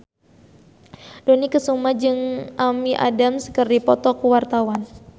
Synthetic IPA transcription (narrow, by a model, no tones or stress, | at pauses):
donikəsumad͡ʒɨŋʔamiʔa̰damsə̥kərdipɔt̪ɔkuwart̪awan